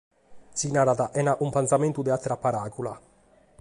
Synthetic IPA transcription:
sinaɾaðaʔɛnaʔumpɛnsamɛnt̪ud̪ɛat̪ːɾapːaɾaːkula̰

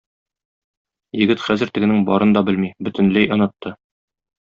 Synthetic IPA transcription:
jɘ̆ɡɘt̪χæzɘ̆ɾt̪ɘ̆ɡɘ̆nɘŋbɒ̰ɾɤnd̪ɒbɘlmibɵ̆t̪ɘ̆nlæjɒnɑt̪ːɤ

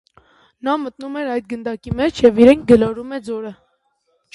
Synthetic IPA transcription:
nɑmət̪numɛɾɑjd̪̚ɡənd̪ɑkimɛt͡ʃʰjɛviɾɛŋk̚ʰɡəlɑɾumɛd͡zɔɾə

